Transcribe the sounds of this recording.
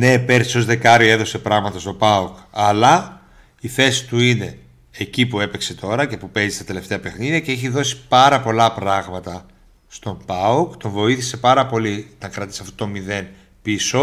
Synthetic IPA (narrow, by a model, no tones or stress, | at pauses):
ne̞peɾsi̥so̞zðe̞kɐɾie̞ðo̞se̞pɾɐɣmɐt̪ɐst̪o̞pɐukɐlɐ | iθe̞si̥t̪uine̞ː | cipue̞pe̞kse̞t̪ʰo̞ɾɐce̞pupe̞zist̪ɐt̪e̞le̞ft̪e̞ɐpe̞xniðiɐce̞eçiðo̞si̥pɐɾɐpo̞lɐpɾɐɣmɐt̪ɐ | st̪o̞mpɐukt̪o̞ɱvo̞iθi̥se̞pɐɾɐpo̞liot̪ɐŋkɾɐt̪i̥sɐft̪ot̪o̞miðe̞n | piso̞